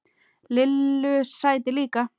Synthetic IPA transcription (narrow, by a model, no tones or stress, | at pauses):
lɪlːʏsːaːjt̪ɪliːka